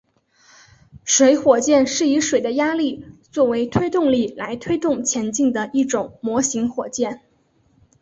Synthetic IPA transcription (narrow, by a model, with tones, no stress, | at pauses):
ʂwe˧˥ɪxwɔ˨˩t͡ɕjɛ˥˧nʂɻ̩˥˩i˧˥ʂwe˨˩ɪd̪ə˦ja˥li˥˧t͡swɔ˥˩we˧˥ɪt̪ʰwe˥ɪt̪ʊ˥˧ŋli˥˩la˧˥ɪt̪ʰwe˥ɪt̪ʊ˥˩ŋt͡ɕʰjɛ˧˥nt͡ɕi˥˩ŋd̪ə˩i˥˩ʈ͡ʂʊ˨˩˦ŋmwɔ˧˥ɕi˧˥ŋxwɔ˨˩t͡ɕjɛ˥˩n